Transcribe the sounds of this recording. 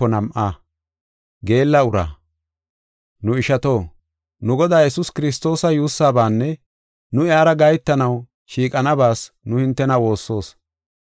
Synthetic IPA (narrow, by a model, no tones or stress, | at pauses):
ɔnɐmʔaː | ɡe̞ːlːɐʊɾa̰ː | nʊɪʃɐt̪o̞ː | nʊɡɔd̪aːjɛsʊskɪɾɪs̬t̪o̞ːsɐjuːsːaːbaːnːɛ | nʊaːɾɐɡɐjt̪ːɐnɐw | ʃiːkʼɐnɐbaːs | nʊhɪnt̪ːɛnɐwo̞ːsːo̞ːs